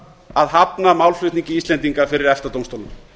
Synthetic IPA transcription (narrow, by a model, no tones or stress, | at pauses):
aðɦapnamawlflʏht̪niɲcɪist̪lɛnt̪iŋkafɪɾɪɾɛft̪at̪owmst̪owlʏm